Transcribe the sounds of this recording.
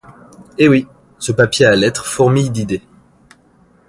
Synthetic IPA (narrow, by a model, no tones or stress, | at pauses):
ewi | səpapjealɛt̪χfɔʁmijd̪id̪e